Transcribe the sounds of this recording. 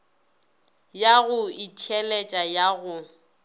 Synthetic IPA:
jaɣʊɪtʰɛlɛt͡ʃʼajaɣʊ

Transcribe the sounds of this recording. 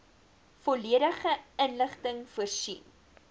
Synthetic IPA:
fɔliəɾəχəənləχtəŋfuərsḭn

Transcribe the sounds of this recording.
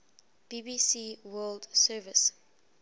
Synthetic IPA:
b̥ibisiwɜːldsɜvɪs

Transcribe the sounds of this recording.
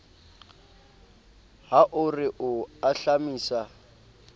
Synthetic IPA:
haʔʊrɪʔʊaɬamiːsa

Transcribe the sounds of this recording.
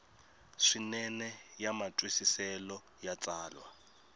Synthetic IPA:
ʂinɛnɛjamatʼwisisɛlɔ | jat͡sʼaːlwa̰

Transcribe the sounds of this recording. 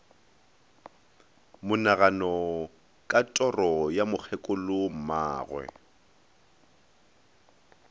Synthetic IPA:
mʊnaɣanɔ | kʼatʼɔrɔjamʊk͡xʰɛkʼʊlʊm̩ma̰ːɣwɛ̰

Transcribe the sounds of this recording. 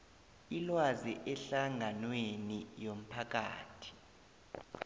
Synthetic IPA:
ilwaziʔɛɬaŋʱanwenijom̩pʰak̬a̰ːtʰi̥

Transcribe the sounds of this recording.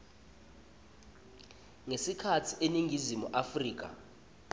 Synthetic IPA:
ŋesikʰatʰiʔeniŋʱizimuʔafriːk̬ʼa̰

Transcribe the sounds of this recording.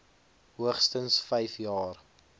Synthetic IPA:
ɦuəχstənsfɛjfjɑːr

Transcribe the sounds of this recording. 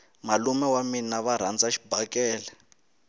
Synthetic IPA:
malumɛwaminaβaɾ̤and͡zaʃi̥bʱakɛːlɛ

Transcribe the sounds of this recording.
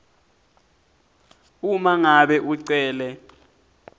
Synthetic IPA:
umaŋaɓɛʔuǀɛːlɛ

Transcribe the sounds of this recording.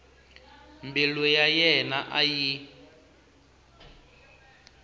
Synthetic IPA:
mbilɛjajɛnaʔaji

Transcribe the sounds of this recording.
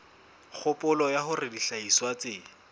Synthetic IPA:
k͡xʰʊpʼʊlɔjahʊrɪdiɬaiswat͡sɪ

